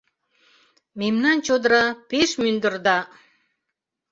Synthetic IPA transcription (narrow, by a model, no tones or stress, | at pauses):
memnɑnt͡ɕod̪ɾɑpeʃmynd̪ə̆rd̪ɑ